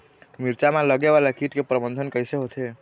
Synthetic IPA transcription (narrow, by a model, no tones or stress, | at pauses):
miɾt͡ʃamaləɡeβalakiʈkepɾəbənd̪ʱənkəjseɦot̪ʰe